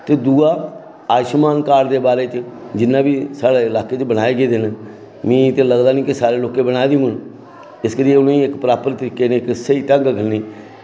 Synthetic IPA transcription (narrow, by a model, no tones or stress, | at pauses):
t̪eːd̪uːaː | aːʃmaːnkaːɾd̪eːbaːɾeːt͡ʃd͡ʒɪnːãːbiːsaːɽeːɪlaːkeːt͡ʃbəɽ̃aːeːɡeːd̪en | mĩːt̪ẽːləɡd̪aːnĩːkɪsaːɾeːloːkeːbəɽ̃aːed̪iũːən | ɪskəɾijeːʊnẽːɪkpɾaːpəɾt̪əɾiːkeːnẽːɪksəiːt̪əŋɡkʰəniː